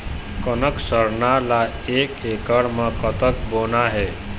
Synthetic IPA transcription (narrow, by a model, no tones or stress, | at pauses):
kənəksəɾnala | ekekəɽməkət̪əkbonaɦe